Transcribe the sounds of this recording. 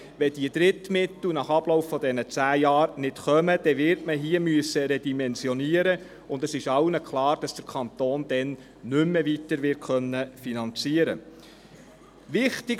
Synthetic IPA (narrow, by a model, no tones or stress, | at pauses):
ʋɛd̥iəd̥̪ɾɪtmɪt̪l̩nɑχɑb̥lɔʊffɔdɛnət͡sæːjɑːɾnɪtχœməd̥ɛʋɪɾtməɦiːəmyəsːəɾɛdimɛnzjɔniəɾə | ʊndɛsɪʃɑwnəkʰlɑːɾd̥ɑsd̥əɾkʰɑnt̪oːnd̥̪ɛn | nʏmːəʋitəɾʋɪtkχœnːəfinɑnt͡siəɾə̰ | ʋɪχtɪɡ